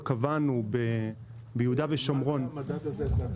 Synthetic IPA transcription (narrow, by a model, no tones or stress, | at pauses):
kavanube | bejhudaveʃomʁo̞n